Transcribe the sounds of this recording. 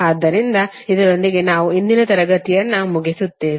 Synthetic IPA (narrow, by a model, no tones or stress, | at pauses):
aːd̪ːɐɾind̪ɐ | id̪ɐɾo̞nd̪iɡe̞naːʋuind̪inɐt̪ɐɾɐɡɐt̪ijɐnːɐmuɡisut̪ːeː